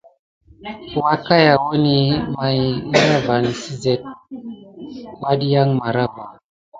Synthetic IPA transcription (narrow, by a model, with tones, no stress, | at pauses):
wa˦ka˦ja˨wo˦ni˦ma˨jɾa˦va˨n˨si˦zɛ˦t̚ | wa˦ɗi˦ja˦ŋma˨ɾa˦va˨